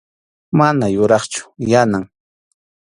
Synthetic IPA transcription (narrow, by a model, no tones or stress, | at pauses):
manajʊɾɑχt͡ʃʊ̥janaŋ